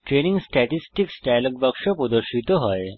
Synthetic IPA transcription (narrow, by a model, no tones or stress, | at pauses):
ʈɾeniŋɡsʈæʈisʈiksɖajloɡ̚bakʂəpud̪əɕit̪əɦəj